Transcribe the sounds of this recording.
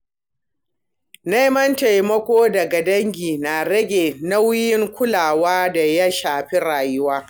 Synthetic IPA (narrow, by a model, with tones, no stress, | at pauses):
na˦mɐ˦nta˨jmɐ˦kʷoː˦dɐ˨ɡa˨dɐ˦ŋɡʲiː˨na˨ɽɐ˦ɡʲeː˨na˦wjɪ˦ŋkʷʊ˦laː˨waː˦da˨ja˦ʃaː˨ɸi˦ɽaː˨jʊ˦waː˦